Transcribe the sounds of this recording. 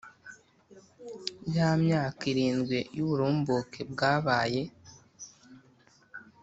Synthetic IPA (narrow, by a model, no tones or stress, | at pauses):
jamɲaːkiɾiːnɡwejuβuɾuːmbukʰebɡaːβaːje̞